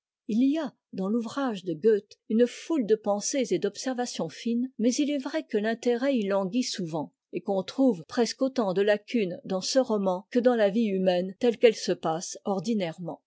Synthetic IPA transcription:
ilija | d̪ɑ̃luvʁaʒd̪əɡøt̪ynfuld̪əpɑ̃sezed̪ɔpsɛʁvasjɔ̃finmɛzilɛvʁɛkəlɛ̃t̪eʁɛilɑ̃ɡʲisuvɑ̃ | ekɔ̃t̪χuvpχɛskot̪ɑ̃d̪əlakʲynd̪ɑ̃səʁɔmɑ̃kəd̪ɑ̃laviymɛnt̪ɛlkɛlsəpasɔʁd̪inɛʁmɑ̰̃

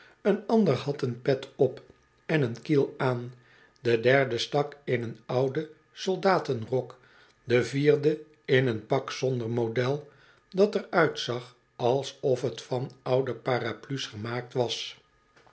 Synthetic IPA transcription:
ənɑndəɹhɑtənpɛtʰɔp | ɛnənkilˠaːn | dədɛɹdəstɑkɪnənɑwdə | solˠdaːtənrɔk | dəviːrdə | ɪnənpɑksɔndəɹmodɛlˠ | dɑtərœɥtsɑχ | ɑlˠsɔfɦətfɑnɑwdəpaːraplysχəmaːk̚tʋɑs

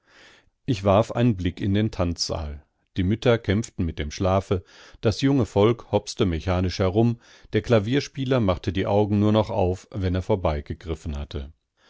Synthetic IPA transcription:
ʔɪçv̥aɐfʔa̰ɪnənblɪkɪndeːntʰant͡sz̥a̰ːl | d̥iːmʏtɐkʰɛmftn̩mɪt̚d̥eːmʃlaːfəd̥asjʊŋəfɔlkhɔpstəmɛçaːnɪʃhɛɐʁʊm | d̥eːɐkl̥aviːɐʃpiːlɐmaχtədiːʔaʊɡŋ̩nuːɐnɔχʔaʊfvɛneːɐfoːɐbaɪɡ̥əɡʁɪfn̩hatʰə

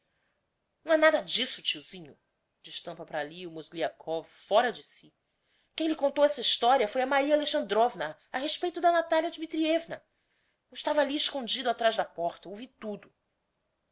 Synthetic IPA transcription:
nnɐ̃ɛnad̪ɐd͡ʒisʊ̥t͡ʃiwzĩɲʊ | d͡ʒiʃt̪ɐ̃mpɐpɾaliʊmozliakʰɔvfɔɾɐd͡ʒɪsi | kẽj̃lɪkõnt̪owɛsɐiʃt̪ɔɾiɐfojɐmaɾiɐaleʃɐ̃nd̪ɾovnɐ | aɦeʃpejt̪ʊd̪ɐnat̪aljɐd͡ʒimit̪ɾiɛvnɐ | ɪʃt̪avɐaliɪʃkõnd͡ʒid̪ʊat̪ɾaʒd̪ɐpɔχt̪ɐowvit̪ud̪ʊ

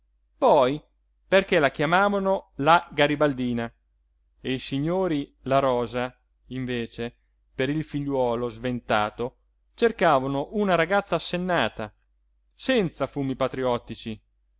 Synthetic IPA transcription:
pɔj | perkɛlak̟jamaːvanolaɡaɾibald̪iːna | eisiɲːoːɾilaɾɔːza | iɱveːt͡ʃe | peɾilfiʎːwɔːlozvent̪a̰ːt̪o | t͡ʃerkaːvanoʔunaɾaɡat̪sːaːsːenːaːt̪a | sɛnt̪safuːmipat̪ɾiɔt̪ːit͡ʃi

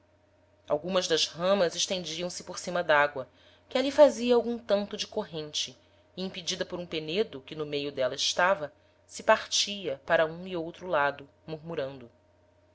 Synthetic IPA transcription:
a̰wɡũmɐzd̪ɐzhɐ̃mɐzɪʃt̪ẽnd͡ʒiɐ̃w̃sɪpoɾsĩmɐd̪aɡwɐ | kʲɪalifaziɐawɡũt̪ɐ̃nt̪ʊd͡ʒɪkoɦẽnt͡ʃɪ | ĩpid͡ʒid̪ɐpoɾũpened̪ʊkɪnʊmejʊd̪ɛlɐɪʃt̪avɐ | sɪpaɾt͡ʃiɐpaɾɐũiowt̪ɾʊlad̪ʊ | muɾmuɾɐ̃nd̪ʊ

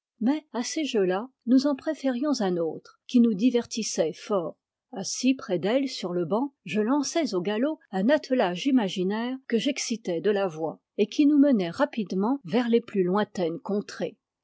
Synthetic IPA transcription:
mɛaseʒølanuzɑ̃pχefeʁjɔ̃zɛ̃noːt̪χkʲinud̪ivɛʁt̪isɛfɔːʁ | asipχɛd̪ɛlsyʁləbɑ̃ʒəlɑ̃sɛzoɡaloɛ̃nat̪əlaʒimaʒinɛʁkəʒɛksit̪ɛd̪əlavwa | ekʲʰinumənɛʁapid̪mɑ̃vɛʁleplylwɛ̃t̪ɛnkɔ̃t̪χḛ

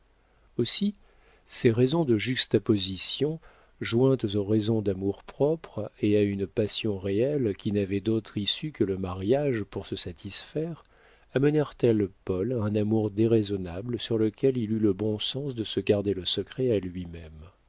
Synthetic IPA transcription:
osi | seʁɛzɔ̃d̪əʒyst̪apɔzisjɔ̃ | ʒwɛ̃t̪zoʁezɔ̃d̪amuʁpχɔpχeaynpasjɔ̃ʁeɛlkʲinavɛd̪ot̪χisykələmaʁjaʒpuʁsəsat̪ʰisfɛʁ | amənɛʁt̪ɛlpɔlɛ̃namuʁd̪eʁezɔnabləsyʁləkʲɛlilyləbɔ̃sɑ̃sd̪əsəɡaʁd̪eləsəkχɛalɥimɛm

